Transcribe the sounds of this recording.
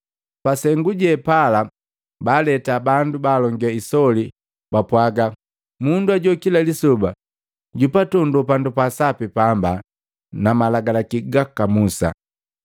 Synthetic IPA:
pasɛŋɡuɟɛpala | balɛtabandubaːlɔŋɡiaisɔli | bapwaɡa | munduaɟɔkilalisɔba | ɟupatɔndupandupasapipamba | namalaɡalakiɡakamusa̰

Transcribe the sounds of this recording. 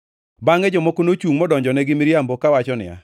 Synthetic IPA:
baŋɛd͡ʒɔmokonot͡ʃuŋmɔdɔɲd͡ʒɔnɛɡɪmɪɾjambokawat͡ʃɔnɪ̰a̰

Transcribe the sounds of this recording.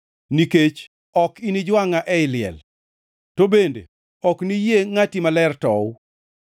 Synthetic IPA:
niket͡ʃ | ɔkinid͡ʒwaŋaʔɛɪlɪɛ̰l | tobendḛ | ɔknijeŋatimalɛrtɔw

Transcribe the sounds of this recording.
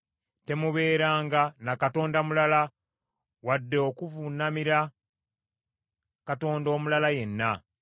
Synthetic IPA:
te̞muβe̞ːɾaːŋɡanakato̞ːndamulala | wadːeokuvunamiɾa | kato̞ːndo̞ːmulalaje̞nːa

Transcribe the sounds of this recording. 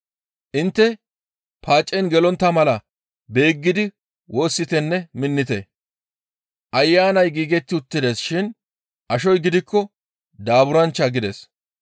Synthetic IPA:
ʔɪnt̪ːɛ | paːt͡ʃʼːɛnɡɛlɔnt̪ːɐmɐlɐ | be̞ːɡːɪd̪ɪ | wʔo̞ːsːɪt̪ɛnːɛmɪnːɪt̪ɛ | ʔɐjːaːnɐjɡiːɡɛt̪ːɪʊt̪ːɪd̪eːsʃɪn | ʔɐʃɔjɡɪd̪ɪkːɔ | d̪aːbʊɾɐnt͡ʃːɐɡɪd̪ɛ̰s

